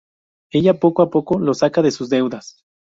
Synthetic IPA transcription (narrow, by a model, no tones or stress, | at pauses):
e̞ʝapo̞koapo̞ko̞lo̞sakaðe̞suzðe̞wðas